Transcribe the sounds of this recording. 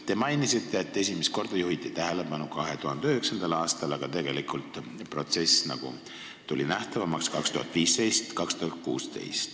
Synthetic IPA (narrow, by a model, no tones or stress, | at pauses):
t̪e̞mɑjnisit̪ːe̞ːt̪ːˑe̞sʲimest̪ko̞rd̪̥ɑjuɦit̪ˑːit̪æɦele̞pɑnukɑɦe̞t̪uɦɑnd̪eyheksɑnd̪̥ɑlɑːst̪ɑlɑɡ̥ɑt̪e̞ɡe̞likˑult̪ˑpro̞t̪se̞snɑ̰ɡ̥ṵ | t̪ulʲinæht̪ɑvɑmɑkskɑkst̪ṵhɑ̰t̪ˑviːst̪e̞jst̪kɑkst̪uhɑt̪̚kuːst̪e̞̰jst̪